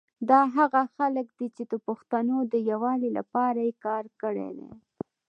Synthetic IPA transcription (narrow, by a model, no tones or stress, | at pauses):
d̪ɑɦaɣaxaləkd̪it͡ʃed̪əpoxt̪anod̪əjawɑlila̰pɑɾajekɑɾkəɽḛd̪ḛ